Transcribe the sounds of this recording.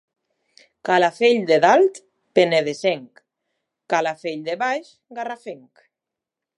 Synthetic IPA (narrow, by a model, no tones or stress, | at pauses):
kalafeʎd̪eðalt̪ | peneðeseŋkː | alafeʎd̪eβajʃ | ɡarafeŋk